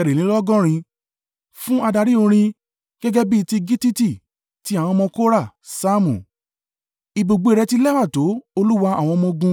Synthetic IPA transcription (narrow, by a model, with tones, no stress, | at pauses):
ɛ˨ɾe˨ĩ˨˦lɔ˦ɡɔ̃˦ɾ̃ĩ˧ | fũ˦a˧da˧ɾi˦õ˧ɾ̃ĩ˧ | ɡ̥ɛ˦ɡɛ˦bi˦˧ti˧ɡi˦ti˦ti˦˨ | ti˨˦a˦˨w̃ɔ̃˧mɔ̃˧ko˦ɾa˦˨ | sa˦mṵ̃˨ | i˧bo˨ɡ͡bo˧˦i˧ɾɛ˧ti˦lɛ˦wa˦˨to˨˦o˧lu˦wa˧a˨w̃ɔ̃˧mɔ̃˧ɡũ˧